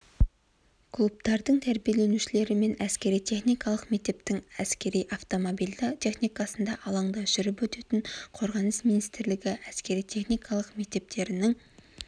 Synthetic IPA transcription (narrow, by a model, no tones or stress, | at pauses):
kʰlˠup̚t̪ɑɾd̪əɴt̪ʰæɾbijelenuʃɪle̞ɾɪme̞næskʲe̞ɾijt̪ʰe̞χnijkɑlˠəqme̞k̚t̪e̞p̚t̪ɪŋæskʲe̞ɾijʔɑft̪o̞mo̞bijld̪t̪ʰe̞χnijkɑsənd̪ɑʔɑlˠɑɴd̪ɑʒ̥ʏɾɪp̬wɵt̪e̞t̪ɪŋqʰo̞ɾʁɑnəsminijst̪ɪɾlɪɡʲɪʔæskʲe̞ɾijt̪ʰe̞χnijkʰɑlˠəqme̞k̚t̪e̞p̚t̪ʰe̞ɾɪnɪŋ